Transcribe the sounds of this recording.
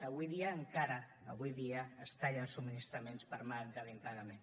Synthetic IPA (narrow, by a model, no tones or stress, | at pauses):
əβujðiaːŋkaɾaː | βujðiaːst̪aʎalsuminist̪ɾəmenspəɾmaŋkaðiŋk̪aɣamen